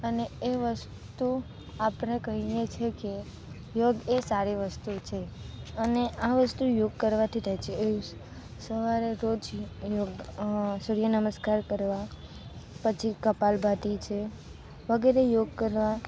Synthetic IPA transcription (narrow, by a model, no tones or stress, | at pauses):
əneeʋəs | t̪u | apɳekəɦijet͡ʃʰeke | joɡesaɾiʋəst̪ut͡ʃʰeəneaʋəst̪ujoɡ̚kəɾʋat̪ʰiɾəɦet͡ʃʰee | səʋaɾeɾod͡ʒjoɡsʊɾijənəməskaɾkəɾʋa | pət͡ʃʰikəpalbʱaʈ̪it͡ʃʰe | ʋəɡɛɾejoɡ̚kəɾʋa